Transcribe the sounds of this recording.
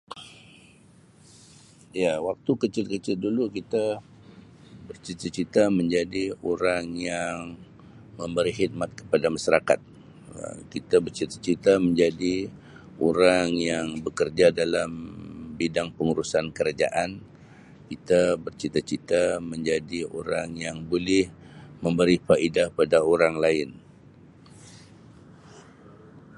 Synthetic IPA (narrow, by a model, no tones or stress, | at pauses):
jawak̚t̪ukət͡ʃɪlkət͡ʃɪl̚dulukit̪a | bərt͡ʃit̪ət͡ʃit̪aməɲd͡ʒadioɾaŋjaŋ | məmbəɾiɦit̪̚mat̪̚kə̥padamaʃaɾakat̪̚ | ə̰kit̪abərt͡ʃit̪ḁt͡ʃit̪aməɲd͡ʒadi | oɾaŋjaŋbəkərd͡ʒadalambidaŋpəŋuɾusankəɾad͡ʒa̰ʔan | kit̪abərt͡ʃit̪at͡ʃit̪aməɲd͡ʒadio̰ɾaŋjaŋbolɪhməmbəɾifaʔidahpadaoɾaŋlaɪn